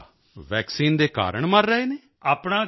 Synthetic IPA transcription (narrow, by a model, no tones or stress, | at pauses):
ʋɛːksiːnd̪eːka̰ːɾəɳməɾːəeːneː | aːpɳãː